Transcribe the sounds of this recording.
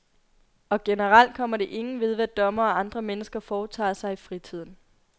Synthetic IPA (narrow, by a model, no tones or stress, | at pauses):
ɒ̽ɡ̥e̝nəʁal̰d̥̚kʰɒ̽m̰ɐɾe̝ʔe̝ŋn̩ʋe̝ð̞ˠʋæd̥ɒ̽mɐ̽ːɑ̈nd̥ʁɐmenəsɡ̥ɐfɒːt͡sʰɑ̰̈ːsɑ̈ɪifʁit͡sʰið̞̰ˠn̩